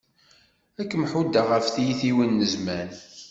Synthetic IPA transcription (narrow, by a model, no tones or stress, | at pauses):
ækːmħud̪ːaʁəfθijiθiwinːəzmæn